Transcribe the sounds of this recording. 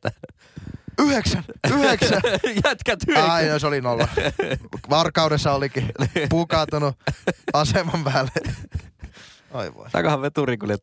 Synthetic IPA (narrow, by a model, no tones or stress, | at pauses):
yheksænyhekssæjæt̪kæt̪yɑinɑsolinolːɑ | ʋɑrkːɑudesːɑolikipukɑt̪unuɑsemɑmpæːlːe | oiʋo̰it̪ɑ̰kɑhɑʋʋet̪uriŋkuljet̪